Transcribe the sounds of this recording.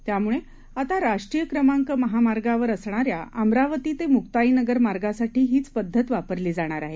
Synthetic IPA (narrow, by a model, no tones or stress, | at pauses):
t̪jamuɭe | at̪aɾaʂʈɾijəkɾəmaŋkəməɦamaɾɡaʋəɾəsɳ̃aɾja̰ʔəmɾaʋət̪iːt̪emukt̪ainəɡəɾmaɾɡasaʈʰiːɦiːt͡spəd̪ʱːət̪ʋapəɾliːd͡zaɽ̃aɾaɦe